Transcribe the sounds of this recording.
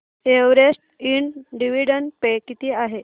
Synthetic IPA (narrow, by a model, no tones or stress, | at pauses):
eʋɾesʈ̚iɳɖiʋiɖənpekit̪iːaɦe